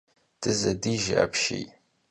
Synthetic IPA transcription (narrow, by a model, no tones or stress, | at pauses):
d̥ɨzɐdiʒa̰pʰʃḛjtʼ